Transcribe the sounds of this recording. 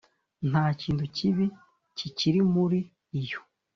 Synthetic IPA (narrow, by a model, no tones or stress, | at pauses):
n̥haːciːntuciβi | ciciɾimuɾiː | jo